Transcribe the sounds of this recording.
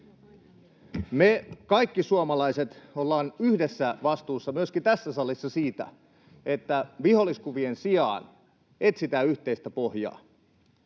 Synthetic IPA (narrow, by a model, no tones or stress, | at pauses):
mekɑjkːisuomɑlɑjse̞t̪olːɑːnyhdesːæʋɑst̪uːsːɑmyøskint̪æsːæsɑlːisːɑsiːt̪æ̰ | e̞t̪ːæʋiho̞lːiskuʋiensiɑ̰ːn | e̞t̪sit̪æːyçt̪eist̪æpohjɑ̰ː